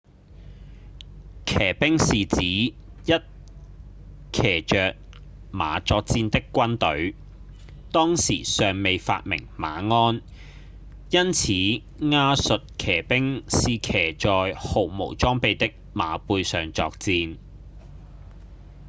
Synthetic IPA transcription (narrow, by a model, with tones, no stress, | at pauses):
kʰɛː˨˩pɪ˥ŋsiː˨t͡siː˨˥jɐ˥t̚ | kʰɛː˨˩t͡ʃœː˨k̚ | ma̰ː˨˧t͡sɔː˧k̚t͡siː˧nt̪ɪ˥kːʷɐ˥nt̪ɵ˨˥ɥ | t̪ɔː˥ŋsḭː˨˩sœː˨ŋme˨˧jfa̰ː˧t̚mɪ̰˨˩ŋma̰ː˨˧ŋɔː˥n | jɐ˥nt͡sʰiː˨˥ | ŋaː˧˥sɵ˨t̚kʰɛː˨˩pɪ˥ŋsiː˨kʰɛː˨˩t͡ʃɔː˨jho˨wmo̰˨˩wt͡sɔː˥ŋpe˨˧jt̪ɪ˥k̚maː˨˧puː˧jsœː˨ŋt͡sɔ̰ː˧k̚t͡siː˧n